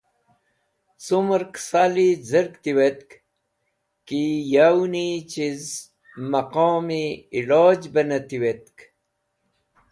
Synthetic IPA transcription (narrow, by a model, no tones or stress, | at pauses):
sumɾksaːlid͡zəɾkt̪iwet̪̚k | kijawnit͡ɕiz | mɐqɔːmiːloːd͡ʑbɐnɐt̪iwet̪k